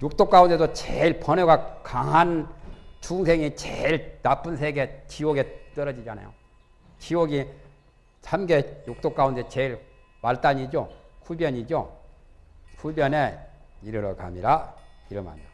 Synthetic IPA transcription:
jok̚t͈ok͈aunde̞dot͡ɕeiɭpʰʌnoɡakaŋɦant͡ɕʰuŋsʰeŋit͡ɕeiɭnap͈unsʰeɡe̞t͡ɕiwoɡe̞t͈ʌɾʌd͡ʑid͡ʑana̰jo̰ | t͡ɕiwoɡi | t͡ɕʰamɡe̞jok̚t͈ok͈aunde̞t͡ɕe̞iɭ | maɭt͈aɲid͡ʑokʰubjʌɲid͡ʑo | kʰubjʌne̞ | iɾɯɾoka̰miɾaiɾɯmɦa̰mo

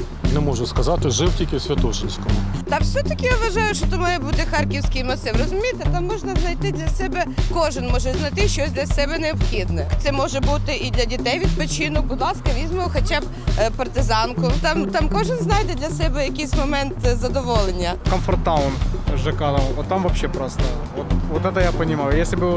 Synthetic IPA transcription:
nɛmɔʒʊskɐzɑt̪ɪʒɪwtʲilʲkʲɪsʲʋʲɐt̪ɔʃɪnʲsʲkɔmʊt̪ɑwsʲɛt̪ɐkʲɪjaʋʋɐʒɑjʊʃt͡ʃɔt̪ʊmɑjɛbut̪ɪxɑrkʲiwsʲkʲijmnɔsɛɾɔzʊmʲijt̪et̪ɑmːɔʒnɐznɐjt̪ɪd̪lʲɐsɛbɛkɔʒɪnmɔʒɛznɐt̪ɪʃt͡ʃɔsʲd̪ʲlʲɐsɛbɛneɔpxʲid̪nɛt̪sɛmɔʒɛbut̪ɪʔid̪lʲɐdʲit̪ɛjʋʲid̪̚pɔt͡ʃinɔk̚bʊd̪lˠɑskɐʋʲizʲmɔwxɐt͡ʃɑb | pɐrt̪ɪzɑnkʊt̪ɑmt̪ɑmkɔʒɪnznɑjd̪ɛd̪lʲɐsɛbɛjɐkɪjsʲmɔmɛnt̪zɐd̪ɔʋɔlˠenʲːɐkɔmfɔrt̪ɑʊnʒɐkɑlɐmɔt̪ːamʋɐpɕːɛpɾɔst̪ɐ | ɔt̪ʋɔt̪ɛt̪ɐjapɐnʲɪmɑjʊjesʲlʲɪbɨ

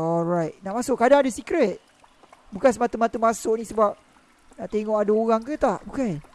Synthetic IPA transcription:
ɔlɹajt̚naʔmasʊʔkːadaŋadəsikɾɛt̪̚ | bukansəmat̪umat̪umasʊʔnĩsəbap̚ | naʔt̪eŋɔʔadaoɾaŋkət̪aʔbukan

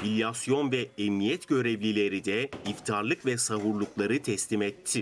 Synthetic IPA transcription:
filʲjasjo̞nvɛɛmnijɛt̪ɟø̞ɾevlʲilʲe̞ɾid̪ɛift̪ʰaɾlˠɯkvɛsaɦuɾlˠuklˠaɾɯt̪ʰɛslʲimɛt̪ʰːi

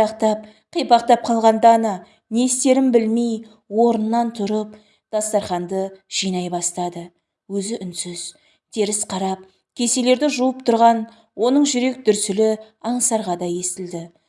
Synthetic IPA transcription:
ɑqt̪ɑp̚ | qʰijpɑq̚t̪ɑp̚qʰɑlˠʁɑnd̪ɑnɑ | nest̪e̞ɾɪmbɪlmej | wo̞ɾənːɑnt̪ʰʊɾəp̚ | d̪̥ɑst̪ɑɾχɑnd̪əʒ̥ijnɑjbɑst̪ɑd̪ə | wɵzɪʔʏnsʏz̥ | t̪ʰe̞ɾɪsqʰɑɾɑp̚ | kʲʰe̞se̞le̞ɾd̪ɪʒuəpt̪ʰʊɾʁɑn | wo̞nəɴʒʏɾe̞k̚d̪ʏɾsɪlɪ | ɑɴsɑɾʁɑd̪ɑje̞st̪ɪld̪ɪ

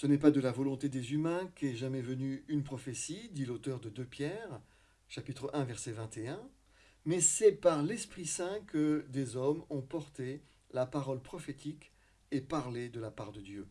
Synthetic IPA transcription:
sənɛpad̪əlavɔlɔ̃t̪ed̪ezymɛ̃kʲɛʒamɛvənyynpχɔfesid̪ilot̪œʁd̪əd̪øpjɛʁ | ʃapit̪χəʔɛ̃vɛʁsɛvɛ̃t̪eɛ̃ | mɛsɛpaʁlɛspχisɛ̃kəd̪ezɔmɔ̃pɔʁt̪e | lapaʁɔlpχɔfet̪ik | epaʁled̪əlapaʁd̪əd̪jø

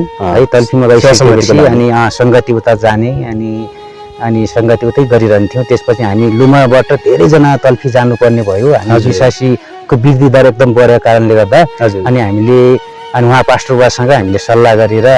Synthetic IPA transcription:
ɦʌjt̪ʌlpʰimaɡʌjskebesiʌniʌsʌŋɡʌt̪iut̪ad͡zaneʌni | ʌnisʌŋɡʌt̪iut̪ʌjɡʌɾiɾʌɦʌnt̪ʰijõt̪espʌt͡sʰiɦamilumabaʈʌd̪ʱeɾʌjd͡zʌnat̪ʌlpʰid͡zanupʌrnebʱʌjoɦamibiswasi | kobird̪ʱid̪aɾek̚d̪ʌmbʌɾekaɾʌnleɡʌrd̪aʌd͡zʌniɦamile | ʌniuɦãpasʈʌrbasʌŋɡʌɦamilesʌlːaɡʌɾeɾʌ

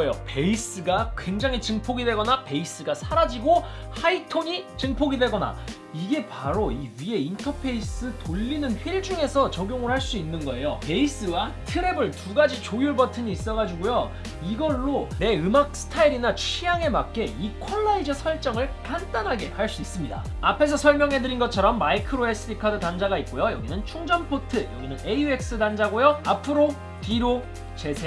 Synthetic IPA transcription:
jope̞is͈ɯɡakwe̞ŋd͡ʑaŋɦit͡ɕɯŋpʰoɡidwe̞ɡʌnape̞is͈ɯɡasʰaɾad͡ʑiɡohaitʰoɲit͡ɕɯŋpʰoɡidwe̞ɡʌna̰ | iɡe̞paɾoiɥie̞intʰʌpʰe̞is͈ʰɯtoʎːinɯnɸiɭd͡ʑuŋe̞sʰʌt͡ɕʌɡjoŋɯɾoɦaɭs͈uinːɯnɡʌe̞jope̞is͈ɯwatʰɯɾe̞bɯɭtuɡad͡ʑit͡ɕojuɭbʌtʰɯɲiːs͈ʌɣad͡ʑuɡojo | iɡʌɭːone̞ɯmak̚sʰɯ̥tʰaiɾinat͡ɕʰijaŋe̞mak̚k͈e̞ikʰoɭːaid͡ʑʌsʰʌɭt͡ɕ͈ʌŋɯɭkantanɦaɡe̞haɭs͈uis͈ɯmɲida̰ | apʰe̞s̬ʰʌsʰʌɭmjʌŋɦe̞dɯɾinɡʌt͡ɕʰʌɾʌmːaikʰɯɾoes͈ʰɯɾikʰadɯtand͡ʑaɡait̚k͈ojojʌɡinɯnt͡ɕʰuŋd͡ʑʌnpʰotʰɯjʌ̰ɡinɯneue̞k̚s͈ɯdand͡ʑaɡojʌapʰɯɾo | piɾo | t͡ɕe̞sʰe

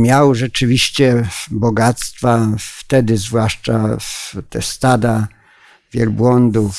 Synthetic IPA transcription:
mʲjawʐɛt͡ʂɘvʲiɕt͡ɕɛbɔɡat̪st̪faft̪ɛd̪ɘzvwaʂt͡ʂat̪ɛst̪ad̪a | vʲjɛlbwɔnd̪uf

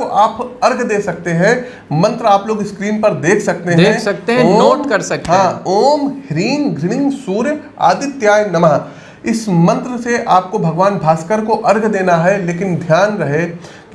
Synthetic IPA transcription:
oʔaːpɐɾɡʱd̪eːsɐk̚t̪eɦɛ̃ | mɐ̃nt̪ɾəaːploːɡɪskɾiːmpɐɾd̪eːkʰsɐk̚t̪eɦɛ̃sɐk̚t̪eɦɛ̃noːʈkɐɾsɐkt̪ɦãːoːmhɪɾiːnɡɾɪɽ̃ɪ̃ŋɡsuːɾj | a̰ːd̪ɪt̪jaːjnɐmaː | ɪsmɐ̃nt̪ɾəseʔaːp̚kobʱɐɡʋaːnbʱaːskəɾkoʔɐɾɡʱd̪eːnaɦɛleːkɪnd̪ʱjaːnɾɐɦe | k

